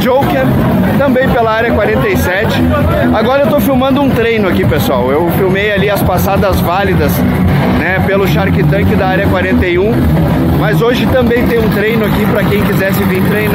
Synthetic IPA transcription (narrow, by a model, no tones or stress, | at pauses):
d͡ʒowkeɾ | t̪ɐ̃mbẽj̃pelɐaɾjɐkwaɾẽnt̪ejsɛt͡ʃɪ | aɡɔɾɐewt̪owfiwmɐ̃nd̪ʊũt̪ɾejnʊakipesʊawewfiwmejaliɐspasad̪ɐzvalid̪ɐs | nɛpelʊʃaɾkit̪ɐ̃kɪd̪ɐaɾjɐkwaɾẽnt̪ejũ | mɐzoʒɪt̪ɐ̃mbẽj̃t̪ẽj̃ũt̪ɾejnʊakipɾɐkẽj̃kizɛɾsɪvĩt̪ɾejna